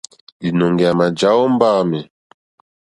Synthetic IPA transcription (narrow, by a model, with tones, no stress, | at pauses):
bi˨nɔ˨ŋɡɛ˨a˨ma˨d͡ʒa˨˦ɔ˦m˦baː˦mɛ˨